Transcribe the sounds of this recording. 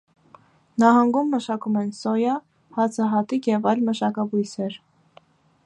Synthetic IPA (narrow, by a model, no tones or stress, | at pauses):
nɑɦɑŋɡumːəʃɑkumɛnsɔjɑ | hɑt͡sʰɑɦɑt̪ikjɛvɑjlməʃɑkɑbujsɛɾ